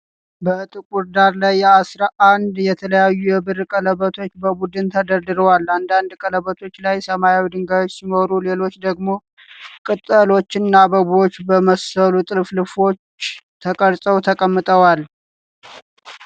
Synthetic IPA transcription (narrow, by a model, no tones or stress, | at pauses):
bət̪ʼɨkʼuɾd̪aɾlajːɛasɾaʔand̪jɛt̪ʰələjajːujɛbɨɾkʼələβət̪ʰo̞t͡ʃːbəbud̪ɨnt̪ʰəd̪əɾd̪ɨɾəwalːand̪and̪kʼələβət̪ʰo̞t͡ʃːlajsəmajawid̪ɨŋɡajo̞t͡ʃːsimoɾule̞lo̞t͡ʃːd̪əɡmo̞ | kʼɨt̪ʼːəlo̞t͡ʃːɪnːabəbot͡ʃːbəməsəlut̪ʼɨlflɨfo̞t͡ʃː | t̪ʰəkʼəɾsʼəwt̪ʰəkʼəmːɨt̪ʼəwal